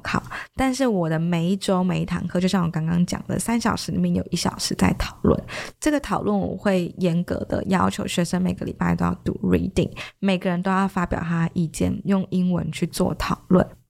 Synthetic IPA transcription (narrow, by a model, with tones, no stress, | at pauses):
kʰɑ̰˨˩ʊt̪a˥˧nʂɻ̩˥˩wɔ˨˩d̪ə˦me˧˥ɪi˥˩ʈ͡ʂo˥ʊme˧ɪi˥˩t̪ʰɑ̰˧˥ŋkʰɤ˥˧t͡ɕjo˥˧ʊɕjɑ˥˩ŋwɔ˨˩kɑ˥ŋkɑ˥ŋt͡ɕjɑ̰˨˩ŋd̪ə̰˨˦sa˥nɕjɑ˨˩ʊʂɻ̩˧˥lḭ˨˩mjɛ˥˩njo˨˩ʊʔi˥˩ɕjɑ˨˩ʊʂɻ̩˧˥t͡sa˥˩ɪt̪ʰɑ˨˩ʊlwə̰˥˩nʈ͡ʂɤ˥˩ɡə˩t̪ʰɑ˨˩ʊlwə˥˩nwɔ̰˨˩xwe˥˩ɪjɛ˧˥nkɤ̰˧˥d̪ə̰˨jɑ˥ʊt͡ɕʰjo˧˥ʊɕɥɛ˧˥ʂə˧˥nme˨˩ɪɡə˦lḭ˨˩pa˥˧ɪt̪o˥ʊjɑ˥˩ʊt̪ṵ˨˧˥ɹi˧˥˧t̪ḭ˨˩ŋme˨˩ɪɡə˦ɻə˧˦nt̪o˥ʊjɑ˥˩ʊfa˥pjɑ˨˩ʊt̪ʰa˥d̪ə˨ʔi˥˧t͡ɕjɛ̰˥˩njʊ˥˩ŋi˥ŋwə̰˧˦nt͡ɕʰy˥˧t͡swɔ̰˥˩t̪ʰɑ˨˩ʊlwə̰˥˩n